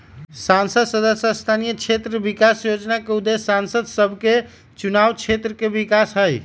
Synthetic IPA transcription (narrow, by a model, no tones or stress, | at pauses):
sansəd̪səd̪əsjəst̪ʰanijət͡ʃʰet̪ɾəbikasjod͡ʒnakeud̪esansəd̪səbʱke | t͡ʃunawt͡ʃʰet̪ɾəkebikasɦəj